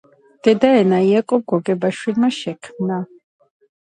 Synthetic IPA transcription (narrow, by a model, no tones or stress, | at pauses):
d̪̥ɛd̪aɛnaiakʼɔb̚ɡɔɡɛbaʃwilmaʃɛkʰmna